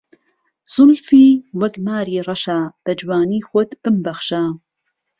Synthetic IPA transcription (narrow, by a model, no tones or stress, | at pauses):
z̥ʊlfiːwɐkmaːɾiːrˤɑʃab̥ɐd͡ʒwaːniːxot̪b̥ɨmbɐxʃa